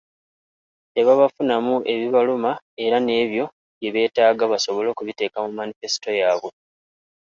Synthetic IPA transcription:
te̞βaβafunamuʔe̞βiβaluma | e̞ɾane̞ːβjo̞ | βje̞βe̞ːtaːɡaβaso̞βo̞lo̞ːkuβite̞ːkamumːanife̞si̥to̞jaːβwe̞

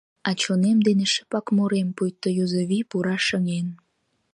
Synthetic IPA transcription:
ɑt͡ɕonemd̪eneʃə̥pɑkmoɾempujt̪ːojozoβipuɾɑʃəŋen

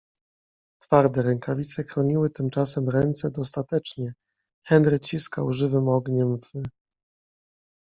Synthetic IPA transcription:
t̪faɾd̪ɛɾɛŋkʰavʲit̪sɛxɾɔɲiwɘt̪ɘmt͡ʂasɛmɾɛnt̪sɛd̪ɔst̪at̪ɛt͡ʂɲɛ | xɛnɾɘt͡ɕiskawʐɘvɘmɔɡɲɛmvɘ

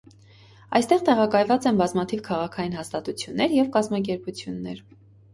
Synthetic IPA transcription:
ɑ̰jst̪ɛʁt̪ɛʁɑkɑjvɑt͡sɛnbɑzmɑt̪ʰivkʰɑʁɑkʰɑjinɦɑst̪ɑt̪ut͡sʰjunːɛɾjɛvkɑzmɑk̬ɛɾput͡sʰjunːɛ̰ɾ

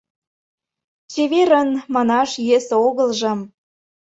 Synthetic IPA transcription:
t͡ɕeβeɾənmɑnɑʃjesoɣəlʒɤ̆m

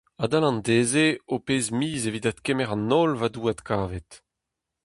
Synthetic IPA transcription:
ad̪alɑ̃ndeːzeopeːzmiːzeviːd̪at̪kemɛʁɑ̃nːɔlvaduat̪kaːvɛt̪

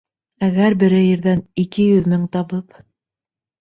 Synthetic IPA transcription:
æɣæɾbɘ̆ɾɘjɘ̆ɾðænikɘjɵðmɘŋt̪ɑβɤp

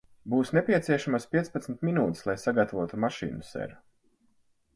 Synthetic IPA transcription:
buːsnɛpʲiɛt̪siɛʃamaspʲiɛtspat̪smʲt̪minuːt̪i̥slˠajsaɡat̪avuɔt̪umaʃḭːnusɛ̰ɾu

